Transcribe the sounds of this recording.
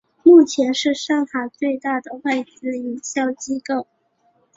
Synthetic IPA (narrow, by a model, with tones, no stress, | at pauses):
mu˥˩t͡ɕʰjɛ˧˥nʂɻ̩˥˧ʂɑ˥˩ŋxa˨˩t͡swe˥˧ɪt̪a˥˩d̪ə˩wa˥˩ɪt͡sɹ̩˧˥i˨˩ɕjɑ˥˩ʊt͡ɕi˥ko˥˩ʊ